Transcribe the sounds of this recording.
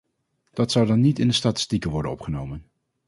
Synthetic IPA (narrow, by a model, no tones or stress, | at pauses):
d̥ɑtsʌwdɑnːitɪndəstaːtɪ̥stikənʋɔɹdənɔ̰pχənowmən